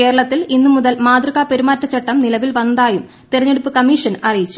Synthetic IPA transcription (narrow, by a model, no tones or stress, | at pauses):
ke̞ːɾɐɭɐt̪ːilinːumuðɐlmaːd̪rɨɣaːpe̞ɾumaːtːɐt͡ɕːɐʈːɐmnilɐʋilʋɐnd̪aːjum | t̪iɾɐɲːe̞ɽupːɨkɐmiːʂɐnɐrijit͡ɕːu̥